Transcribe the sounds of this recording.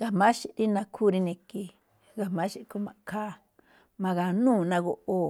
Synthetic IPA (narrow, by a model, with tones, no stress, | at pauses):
ɡa˨mã˦ʃi˧ʔɾi˦nã˧kʰu˦˧ɾi˧nĩ˧ki˧ | ɡa˨mã˦ʃi˦˧ku˧mã˨˧kʰa˦ | mã˧ɣa˨nũː˦˨nã˧ɣo˧ʔo˧